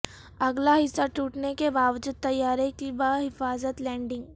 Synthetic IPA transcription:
ɐɡlaɦɪsːaʈuːʈnekebaːʋd͡ʒɪd̪̚ːɐjːaːɾekibaɦɪfaːzət̪lɛ̃ːɳɖɪ̃ŋɡ

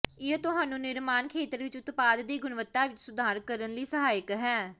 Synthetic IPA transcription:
ɪet̪ʊɦaːnũːnɪɾmaːnkʰeːt̪əɾʋɪt͡ʃʊt̪paːd̪ːiːɡʊnʋət̪ːaːʋɪt͡ʃsʊd̪ʱaːɾkəɾənliːsəɦaːjəkɦɛː

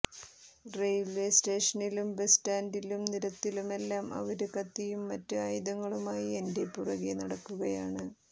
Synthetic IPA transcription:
rejʋʋeːste̞ːʂɐnilumbestaːndilumniɾɐt̪ːilume̞lːaːmɐ̰ʋɐɾukɐt̪ːijumːɐtːɨaːjid̪ɐŋːɐɭumaːjie̞nde̞pːurɐɣinɐɽɐkːuɣɐjaːɳɨ

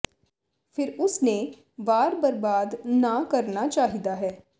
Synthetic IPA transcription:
fʰɪɾʊsne | ʋaːɾbɐɾbaːd̪nakɐɾnat͡ʃaːɦid̪aɦɛː

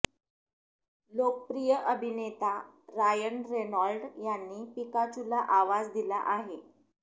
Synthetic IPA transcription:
lok̚əpɾijəʔəbʱinet̪aɾajənɾenalɖjanːiːpikat͡ɕulaʔaʋad͡zd̪ila̰ʔaɦe

